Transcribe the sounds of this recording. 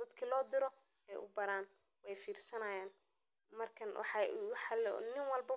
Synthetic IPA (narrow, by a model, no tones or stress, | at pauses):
d̪̥ɐd̪kʰilɔːd̪ɪɾɔ | ɛjʔʊ̰bɐɾaːn | wɛjfiːrsɐnɐjaːn | mɐrkʰɐnwɑ̰ħɑwħɑlnɪŋwɑlbɐ